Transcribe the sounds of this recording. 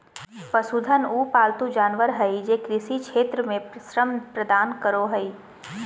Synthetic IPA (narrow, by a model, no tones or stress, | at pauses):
pɐsud̪ʱənuːpaːlt̪ud͡ʒaːnʋəɾɦɐid͡ʒeːkɾɪsikʃʰeːt̪ɾəmẽsɾəmpɾɐd̪aːnkəɾoɦɐi